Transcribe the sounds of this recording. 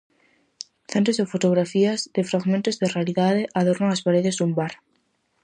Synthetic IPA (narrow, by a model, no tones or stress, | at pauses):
θẽnt̪ozðɪfot̪oɣ̞ɾafiazðɪfɾaɣmẽnt̪ozðɪrealiðað̞eʔaðoɾnoŋaspaɾeðezðumbaɾ